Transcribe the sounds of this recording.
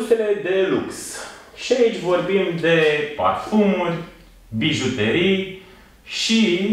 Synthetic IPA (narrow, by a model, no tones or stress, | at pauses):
st̪ele̞d̪e̞luks | ʃiait͡ʃʲvo̞rbimd̪e̞pa̰rt̪fumurʲ | biʒut̪eɾij | ʃi